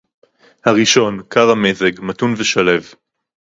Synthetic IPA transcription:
haʁiʃo̞nkʰaʁamezeɡmatunveʃale̞v

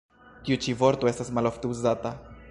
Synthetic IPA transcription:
tiut͡ʃivo̞ɾt̪o̞e̞stasmalo̞ft̪euzata

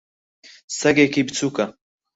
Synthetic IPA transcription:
sɐɡeːkibt͡sʰuːkɐ

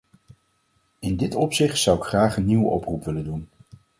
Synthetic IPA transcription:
ɪndɪtɔpsɪχtsʌwɪkχraːχənːiwəʔɔprupʋɪləndun

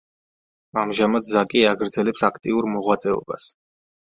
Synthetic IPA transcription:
amʒamad̪zakʼiaɡɾd̪zɛlɛpsakʰt̪ʼiuɾmɔʁwat̪sʼɛɔ̰ba̰s

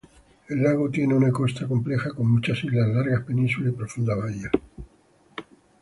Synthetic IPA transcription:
e̞lːaɣo̞t̪je̞neunako̞st̪ako̞mple̞xako̞ŋmut͡ʃasiɣlazlaɾɣahpe̞nĩnsulaipɾofund̪aβaja

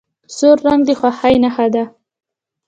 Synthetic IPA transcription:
soɾːaŋɡd̪əxwaxajnaxad̪a

